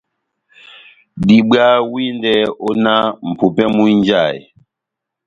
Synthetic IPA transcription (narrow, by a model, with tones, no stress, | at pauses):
di˨ɓɰa˦wi˦ndɛ˦ɔ˦na˦m̩˨pu˨pɛ˦mu˦ɲ˦d͡ʒa˦˨j̰